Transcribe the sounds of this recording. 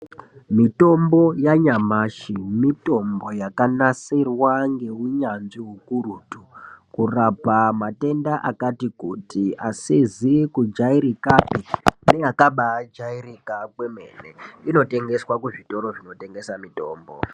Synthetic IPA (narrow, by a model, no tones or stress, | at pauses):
mito̞mbo̞jaɲamaʃimito̞mbo̞jakanasirwaŋɡe̞uɲanʐiɦukuruːtukurapamate̞ndaʔakatikutiasezikud͡ʒaiɾikapeneakaɓad͡ʒairikakweme̞̰ːnḛino̞te̞ŋɡe̞swakuʐito̞ɾo̞ʐino̞te̞ŋɡe̞samito̞̰ːmbo̰